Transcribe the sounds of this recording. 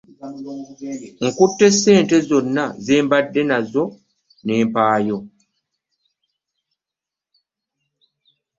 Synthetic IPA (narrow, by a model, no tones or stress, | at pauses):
ŋ̩kutːesːeːntezonːazeːmbadːenazo | neːmpaːjo